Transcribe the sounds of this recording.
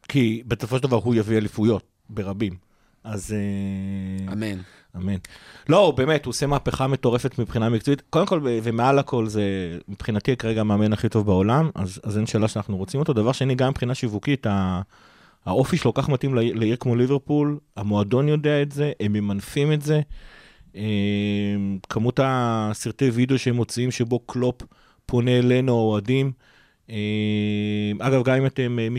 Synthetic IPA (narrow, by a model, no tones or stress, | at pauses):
kʰibesofoʃeldavaʁɦujavialifujo̞t̚ | be̞ʁabim | aze | amen | amenlo̞be̞ːmethuose̞maːpe̞χame̞to̞ʁe̞fe̞tmipχinamik̚t͡soitko̞de̞mko̞levemealakʰo̞lze̞mepχinatikaʁeɡameame̞naχito̞vbaolama̰zazenʃeːlaʃeanaχnuʁo̞t͡simo̞t̪od̪avaʁʃeaniɡamepχinaʃivukitaː | o̞fiʃelokaχmatimlleiʁkmoliveʁpulamo̞ado̞njo̞de̞aetze̞ʔememanfimetze̞ | emkʰamutasiʁt̪e̞jvid̪eoʃeemːo̞t͡siimʃebo̞klo̞pː | o̞ne̞le̞nuaoadim | e | ʔaɡavɡamimate̞memi